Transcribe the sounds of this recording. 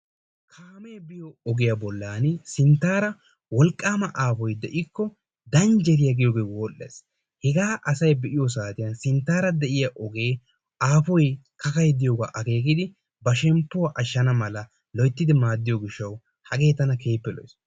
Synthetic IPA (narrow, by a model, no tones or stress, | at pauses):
kʰaːmeːbɪjoɔɡɪjɐbɔlːaːnsɪnt̪ːaːɾɐ | wɔlkʼːaːmɐʔaːfɔjd̪ɛʔɪkːɔ | d̪ɐnd͡ʒɛɾɪjɐɡɪjoːɡeːwoːlːḛːs | hɛɡaːʔɐsɐjbɛʔɪjɔs̬aːt̪ɪjɐnsɪnt̪ːaːɾɐd̪ɛʔɪjɐʔɔɡe̞ː | aːfɔjkɐkɐjd̪ɪjoːɡaːʔɐɡe̞ːɡɪd̪ɪ | bɐʃɛmpːʊwaʔɐʃːɐnɐmɐlɐ | lɔjt̪ːɪd̪ɪmaːd̪ːɪjoɡɪʃːɐw | hɐɡe̞ːt̪ɐnɐke̞ːpːɛlɔ̰js